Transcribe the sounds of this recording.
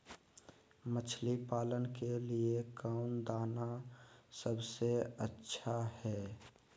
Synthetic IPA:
mət͡ʃʰlipaːlənkeliekaʊnd̪aːnasəbseətːʃʰahɛː

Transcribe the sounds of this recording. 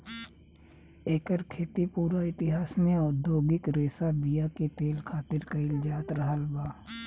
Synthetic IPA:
eːkəɾkʰeːt̪ipuːɾaɪt̪ɪɦaːsnẽɔːd̪joːɡɪkɾeːsad̪ijaket̪eːlkʰaːt̪ɪɾkɐɪld͡ʒaːt̪ɾɐɦəlbaː

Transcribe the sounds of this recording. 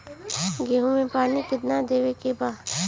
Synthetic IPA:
ɡeːɦũmẽpaːnikɪt̪nad̪eːʋekebaːd̪

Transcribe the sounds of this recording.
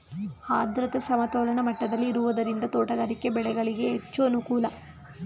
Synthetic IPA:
haːd̪ɾɐt̪ɐsɐmɐt̪oːlɐɳɐmɐʈːɐd̪ɐlːiːɾuʋɐd̪ɐɾind̪ɐt̪oːʈɐɡɐːɾikːe̞bɛɭɛɡɐɭiɡe̞ɦet͡ʃːuɐnukuːlɐ

